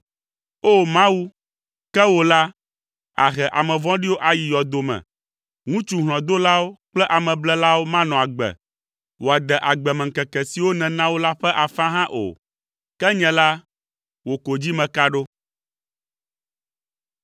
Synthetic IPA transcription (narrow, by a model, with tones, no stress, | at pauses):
o˦mã˦wu˦ | kɛ˦wo˨la˦ | a̰˨ɦɛ˨ʔa˨mɛ̃˨vɔ̃˦ɖi˦wo˦ʔa˨ji˨jɔ˨d̪o˨mɛ̰̃˨ | ŋũ˦t͡ʃu˦ɦl̃ɔ̃˨d̪o˦la˦wo˦k͡plɛ˦ʔa˨mɛ̃˨blɛ˦la˦wo˦mã˦nɔ̃˨a˨ɡ͡bɛ̰˨ | wo˨a˨d̪ɛ˨ʔa˨ɡ͡bɛ˨mɛ̃˨ŋ˨kɛ˨kɛ˨si˨wo˦nɛ̃˨nã˦wo˦la˦ɸɛ˦ʔa˨fã˦ɦã˦ʔo̰˨ | kɛ˦ɲɛ̃˨la˦ | wo˨ko˨d͡ʑi˦mɛ̃˨ka˦ɖo˦